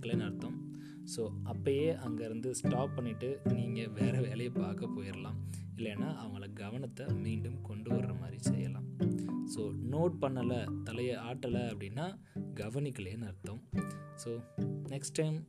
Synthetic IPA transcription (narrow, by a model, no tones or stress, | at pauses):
kːɐɭeːnɐɾɯt̪ːõm | soːɐpːɐjeːʔɐŋɡɐɪɾɯnd̪ɯsʈaːpːɐɳːɪʈːɯniːŋɡɐʋeːɾɐʋeːlɐjɐpaːɾkɐpoːjɪɾɐlaːm | ɪlːɛnːaːʔɐʋɐŋɡɐɭɐɡɐʋɐnɐt̪ːɐmiːɳɖɯmkɔɳɖɯʋɐɾɾɐma̰ːd̪ɾisɛ̰jːɐlã̰ːmsoːnoːʈ̚pɐɳːɐlɐt̪ɐlɐjɐaːʈːɐlɐɐpːɐɽɪnːaː | ɡɐʋɐnɪkːɐɭeːnɐɾɯt̪ːõmsoːnɛksʈːɐɪm